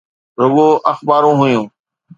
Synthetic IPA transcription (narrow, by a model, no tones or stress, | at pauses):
ɾʊɠoːʔəxbaːɾõːɦʊjũː